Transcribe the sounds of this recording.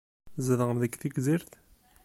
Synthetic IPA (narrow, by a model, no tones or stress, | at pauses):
zəðəʁəmðəkθikziɾθ